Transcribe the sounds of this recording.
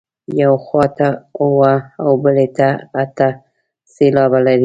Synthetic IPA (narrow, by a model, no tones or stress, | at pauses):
jawxɑt̪auwaawbəlet̪aat̪a | selɑbalaɾi